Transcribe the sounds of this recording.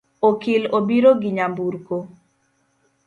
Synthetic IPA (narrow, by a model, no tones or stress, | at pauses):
okɪlobiɾoɡiɲambuɾko